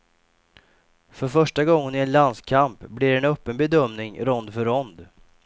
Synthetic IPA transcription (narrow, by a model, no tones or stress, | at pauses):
fœɾfœʂʈaɡɔŋːənɪɛnland̪skʰampblɪɾɛnœpːənbɛd̪œmnɪŋɾɔnd̪fœɾɔnd̪